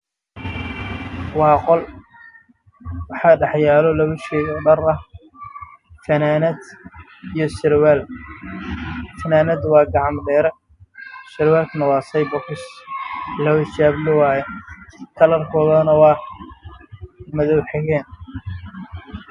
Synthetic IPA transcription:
wɑːqɔl | wɑħɐɖɑħjaːlɔlɐβʊʃɛɣɔɖɐrɐ | fɐnaːnɐd̪ | ijɔsɪɾwɛːl | fɐnaːnɐd̪wɑːɡɑʕɑmɖɛːɾɛ | sɪɾwɛːlkʰnɐwɑːsɐjbɔkʰɪs | lɐwɪt͡ʃaːblɪwaːjɛk̪ʰɐlɐrkʰɔːðɐnɐwɑː | mɐðɔwħɛɣɛːn

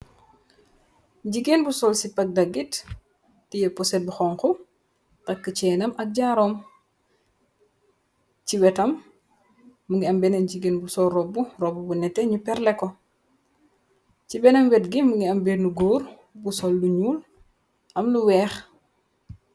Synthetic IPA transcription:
ɟiɡeːnbusɔlsipɐk̚dɐɡitː | ijɛpɔsɛbuxɔŋku | tɐkːət͡ʃɛːnɐmʔɐk̚ɟaːɾɔːm | ciwɛtɐm | uŋɡiɐmbɛnɐnɟiɡenbusɔlrɔbːurɔbubunɛtːɛɲupɛɾlɛkːɔ | cibɛnɐmwɛtɡimuŋɡiɐmbenuɡoːr | busɔlːuɲuːl | ʔɐmluwɛːx

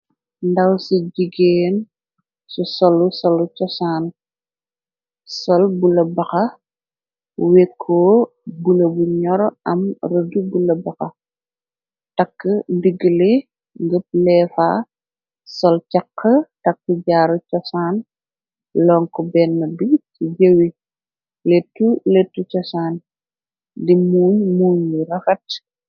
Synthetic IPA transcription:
ndɐwsiɟiɡeːn | susɔlusɔlucɔsaːn | sɔlbulɐbɐxɐ | wɛkʰːɔː | bulɐbuɲɔɾɐ̰mrədubulɐbɐxɐ | tɐkːəndiɡːəli | ŋɡəp̚lɛːfa̰ː | sɔlcɐqʰːətɐkːəɟaːɾucɔsaːn | lɔŋkɔbɛːnːɐduɡt͡ʃiɟəwi | letːuletːut͡ʃɔsaːn | dimuːɲmuːɲirɐxɐt̚

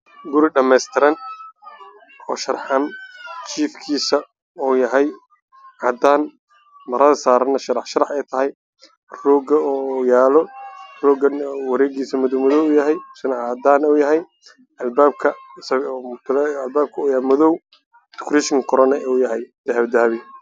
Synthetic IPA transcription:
ɡʊɾɪɖɐmɛjst̪ʰɪɾɐn | ɔːʃɐrħɐnt͡ʃʰiːfkʰiːsɐ | ɔːjɐɦɛj | ʕɑːd̪aːn | mɐɾɐðɐsaːɾɐnɐʃɐɾɑħʃɐɾɑħɛjt̪ʰɐɦɛj | rɔːɡɐjaːlɔrɔːɡɐnwɐɾɛːɡiːsɐmʊðɔwmɔðɔwuːjɐɦɛjsɪnɐʕɑːd̪aːnuːjɐɦɛj | ɐlbaːb̚kʰɐsɐʊt̪ʰɪlːlbaːb̚kʰɐuːjmɔðɔw | d̪ʰʊ̥kʰɾɪʃɪŋkʰʊɾɐnɐuːjɐɦɛjd̪̥ɐɦɐβd̪ɐːβɪ

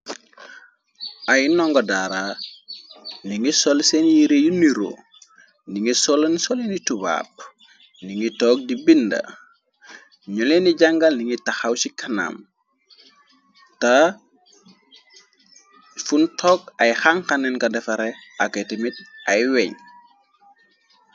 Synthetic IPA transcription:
ajnɔŋɡɔdaɾaː | niŋisɔlsɛnjiɾejuniɾo̰ | niŋisɔlnsɔlenituba̰p̚ | niŋitɔːk̚dibindɐ̰ | ɲɔleniɟaŋɡɐlniŋitɐxawsikʰɐna̰m | tɐ | funtʰɔːkɐjxaŋkanɛnkɐndɛfɐɾɛʔaketimit̚ʔɐjwɛɲ

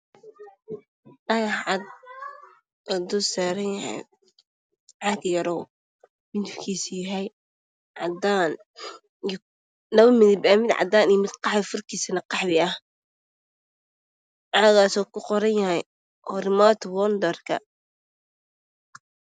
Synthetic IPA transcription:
dɐɣɐħʕɑd̪̚ | ɐd̪ʊsaːɾɐnjɐhɛ̰j | ʕɑɡjɐɾɔw | bɪnt̪kʰiːsjɐɦɛj | ʕɑd̪aːn | j | nɐβɐmɪðɪbaːmɪd̪ʕɑ̰d̪aːnijmɪd̪qɑħβɪfʊrkʰiːsɐnɐqɑħβɪɐh | ʕɑɣaːsɔːkʰʊqɔɾɐnjɐɦɛj | ʔɔrɪmɔt̪ʰwɔnd̪ɛrkʰɐ̰

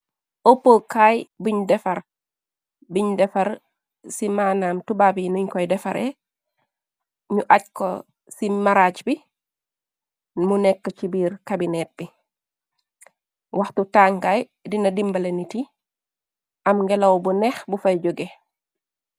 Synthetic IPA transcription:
ʔopːokajbuɲdɛfaɾ | biɲdɛfaɾ | simaːnaːmtubaːbinuɲkɔjdɛfaɾʔḛ | ɲuʔacko̰ | simaɾaːt͡ʃbi | munɛkːət͡ʃibiːɾkabinɛt̚b̥i | waxtutaːŋɡaj | dinɐdimbaleniti | ʔamŋɡɛlawbunɛxbufajd͡ʒoɡe

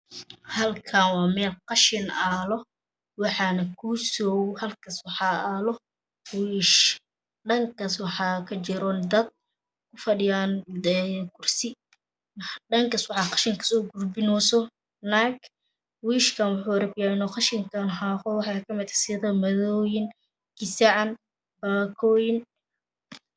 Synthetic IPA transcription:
hɐlkʰaːnwɑːmɛːlqɑʃɪnaːlɔ | wɑħɑːnɐkʰusɔwhɐlkʰɐswɑħɑːaːlɔ | wiːʃ | ɖɐŋkʰɐswɑħɑːkʰɐt͡ʃɪɾɔnd̪ɐd̪̚ | kʰʊfɐɖɪjaːnɛkʰʊrsɪ | ɖɐŋkaswɑħɑːqɑ̥ʃɪŋkʰɐ̥sɔːɡʊrbɪnɔːsɔ | nak | wiːʃkʰɐnwʊħuːɾɐbjaːɪnɔːqɑʃɪŋkʰɐnhaqɔwɑħɑːkʰɐmɪt̪ʰɐ̥sɪðɐmɐðɔːjɪn | kɪsɛʕɑn | baːkʰɔːjɪn

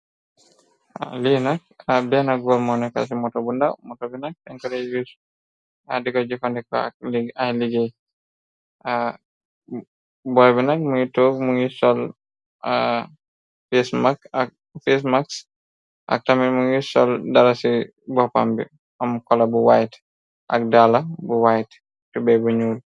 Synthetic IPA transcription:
a̰linak̚abɛanaɡɔlmɔnɛka̰s̬imɔtɔbundamɔtɔbinak̚ɛŋkɔɾɛɡis | adikɔd͡ʒikʰɔndɛkɔ̰a̰k̚liailiɡej | a | bɔɹbɛnak̚muitokmuŋisɔl | fesmakak̚ | fesmaks | ʔa̰k̚tamiɾmuŋisɔldaɾasi | bɔpa̰mbḭ | ɔmkɔlabuwajt | ʔa̰kdalabuwajt | tubɛbuɲul

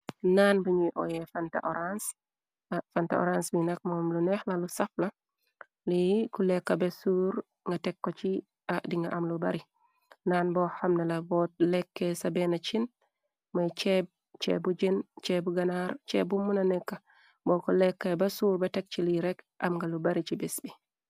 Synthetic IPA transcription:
naːnbuɲiʔo̰jefanta̰ʔoɾans | fanta̰o̰ɾansbinɐk̚moːmlunɛxlalusɐflɐ | likulekːɐbesuːɾ | ŋɡatekːot͡ʃi | adiŋɡaʔamlubɐɾi | nanbɔhamnɛlabɔt̚lɛkːɛsabɛnat͡ʃin | majt͡ʃɛb̚ | t͡ʃɛ̰bud͡ʒent͡ʃɛbuɡanaɾt͡ʃɛbumːunanɛkːa | bɔkɔlɛkːɛbasuːɾbatɛk̚t͡ʃiliɾɛk | ʔa̰mŋɡalubaɾit͡ʃibɛsbi

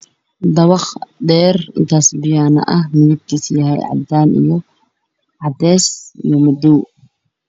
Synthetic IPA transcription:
d̪ɑwɑχd̪ɛːrɪ̰nt̪ʰaːsbɪjaːnɐ̰ʔɐhmɪðib̚t̪ʰiːsjɐɦɛ̰jʕɑ̰d̪aːnʔḭjɔ | ʕɑd̪ɛːsijɔmɐd̪uː

